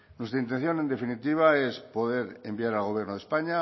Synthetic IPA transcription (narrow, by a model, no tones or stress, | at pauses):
nwe̞st̪ɾaint̪̬e̞n̟θjo̞nend̪e̞finit̪iβ̞aespo̞ðeɾembiaɾalɣo̞β̞je̞ɾnoðe̞spaɲa